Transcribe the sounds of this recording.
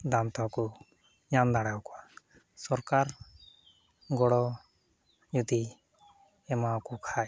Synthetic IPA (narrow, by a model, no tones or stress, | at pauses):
d̪amt̪ɔku | ɲamd̪aɽawkɔwa | sɔɾkaɾ | ɡɔɽɔ | ɲud̪i | ɛmakukʰaj